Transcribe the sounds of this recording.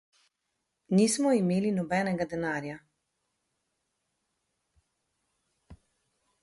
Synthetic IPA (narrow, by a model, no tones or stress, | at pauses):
niːsmɔimeːlinɔbɛːnɛɡad̪ɛnaːɾja